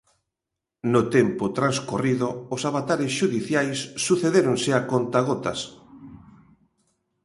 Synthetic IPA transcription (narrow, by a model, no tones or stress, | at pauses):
not̪empot̪ɾanskoriðʊːsaβat̪aɾɪs̬ʃuðiθjajsːuθeðeɾoŋsɪakont̪aɣot̪as